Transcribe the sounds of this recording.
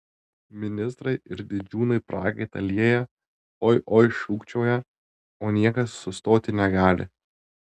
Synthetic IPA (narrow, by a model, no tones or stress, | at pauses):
mʲɪnʲɪst̪ɾɐɪɪɾd̪ʲɪd͡ʒʲuːnɐɪpɾʔɑːɡɐɪt̪ɐlʲiɛjɛ | oːʔoːɪʃuːkt͡ʃʲoːjɛ | oːnʲiɛkɐsːʊst̪oːt̪ʲɪnʲɛɡɑːlʲɪ̰